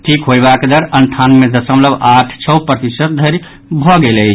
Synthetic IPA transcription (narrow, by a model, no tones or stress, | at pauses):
ʈʰikɦojbaked̪əɾənʈ̪ʰanmed̪əsəmləbaʈʰt͡ʃʰɔpɾət̪isət̪̚d̪ʱəɾ | bʱɔɡelə